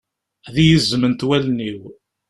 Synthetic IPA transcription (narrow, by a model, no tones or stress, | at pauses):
ðijəzːəmənt̪wælniw